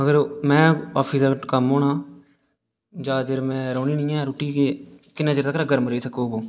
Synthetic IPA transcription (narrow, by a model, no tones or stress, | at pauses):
əɡəɾmɛ̃ːa̰ːpʰiːsɾkəmɦoːnaː | d͡ʒaːd͡ʒeɾmɛ̃ːɾoːniːnĩːɛ̃ːɾoːʈiːkeːkɪnẽːd͡ʒəɾt̪akɾaːɡʱəɾmɾəiːsəkoːboː